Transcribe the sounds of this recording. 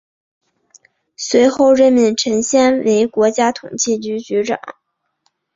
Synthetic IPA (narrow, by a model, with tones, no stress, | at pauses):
swe˧˥ɪxo˥˧ʊɻə˥˩nmi˥˩ŋʈ͡ʂʰɤ˧˥ŋɕjɛ˥nwe˧˥ɪkwɔ˧˥t͡ɕja˥t̪ʰʊ˨˩ŋt͡ɕʰi˥˩t͡ɕy˧˥t͡ɕy˧˥ʈ͡ʂɑ̰˨˩˦ŋ